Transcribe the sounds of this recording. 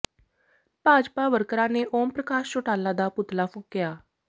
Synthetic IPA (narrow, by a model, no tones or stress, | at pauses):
paːd͡ʒpaːʋəɾkɾãːneːʔoːmpɾəkaːʃt͡ʃoːʈaːlãːd̪aːpʊt̪laːpʰʊ̃kːɪjaː